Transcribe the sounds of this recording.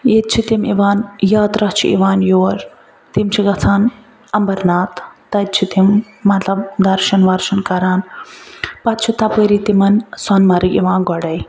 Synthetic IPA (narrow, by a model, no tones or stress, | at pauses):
jet̪̚t͡ʃʰit̪imiʋaːnjaːt̪ɾɐht͡ʃʰḭʔḭʋaːnjoːɾ | t̪imt͡ʃʰiɡɐt͡sʰaːn | ɐmbɐɾnaːt̪ː | ɐt̪̚t͡ʃʰit̪imː | ɐt̪lɐbd̪ɐɾʃɐnʋɐɾʃɐnkɐɾaːn | pɐt̪̚t͡ʃʰit̪ɐpəɾit̪imɐnsɐnmɐɾikiʋãːnɡɔɽɐj